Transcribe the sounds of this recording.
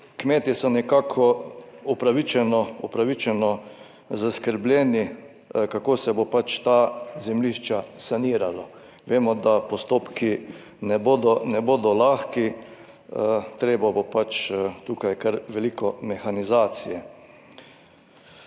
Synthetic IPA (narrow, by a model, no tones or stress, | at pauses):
kmeːt̪isɔnɛkaːkʰɔupɾaʋit͡ʃɛnɔupɾaʋit͡ʃɛnɔ | zaskəɾblʲjɛːni | kakoːsɛbopat͡ʃt̪aːzɛmliʃt͡ʃasaniːɾala | ʋeːmɔd̪apɔst̪oːpkʰi | nɛboːd̪ɔnɛboːd̪ɔlaːxki | t̪ɾeːbabopat͡ʃt̪uːkajkaɾʋɛlikɔmɛxanizaːt̪sijɛ